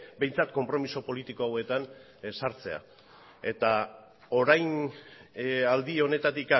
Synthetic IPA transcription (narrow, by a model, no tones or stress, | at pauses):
be̞jnt͡sat̪̚ko̞mpɾo̞miso̞po̞lit̪iko̞awe̞t̪an | saɾt͡se̞a̰ | e̞t̪a | o̞ɾajn | ald̪io̞ne̞t̪at̪ika